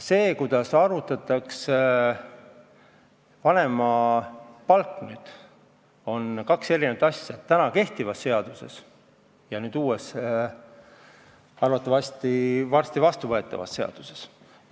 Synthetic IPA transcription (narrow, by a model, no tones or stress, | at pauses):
se̞ːkujd̪̥ɑsɑɾut̪ːˑɑt̪ːˑɑks | vɑne̞mɑ | pɑlknyːd̪̥ | o̞nkɑkse̞ɾinet̪ɑsʲjɑt̪ːænɑke̞ht̪ivɑsːe̞ɑd̪̥use̞̰s | jɑnyːd̪uːes | ɑɾut̪ːˑɑvɑsʲt̪ivɑrst̪ivɑst̪uvɤe̞t̪ːˑɑ̰vɑ̰sːe̞ɑ̰d̪̥u̥se̞̥s